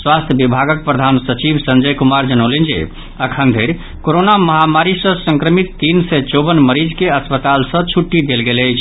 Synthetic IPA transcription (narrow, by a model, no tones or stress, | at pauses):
swast̪ʰjəbibʱaɡək̚pɾəd̪ʱansət͡ʃibsənd͡ʒəjkumaɾd͡ʒənəlend͡ʒḛ | əkʰənd̪ʱeɾ | koɾonaməɦamaɾisə̃sə̃ŋkɾəmit̪ːinsɛt͡ʃobənməɾid͡ʒkeəspət̪alsə̃t͡ʃʰuʈːid̪elɡeləjt͡ʃʰ